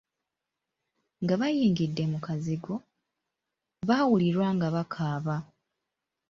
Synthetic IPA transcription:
ŋɡaβajiːŋɡidːe̞mukaziɡo̞ | βawuliɾwaːŋɡaβakʰaːβa

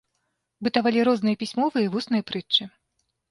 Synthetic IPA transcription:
bɨt̪avalʲiɾɔznɨjɐpʲisʲmɔvɨivusnɨjɐpɾɨt͡ʂːɨ

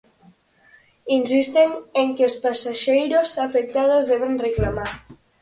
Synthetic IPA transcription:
insist̪eŋeŋkeospasaʃejɾosafek̚t̪að̞ozðɛβeŋreklamaɾ

